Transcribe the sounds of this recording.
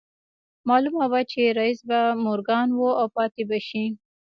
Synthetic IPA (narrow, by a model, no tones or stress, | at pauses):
mɑlumawat͡ʃeɾaisbamʊɾɡɑnwoawpɑt̪ebaʃi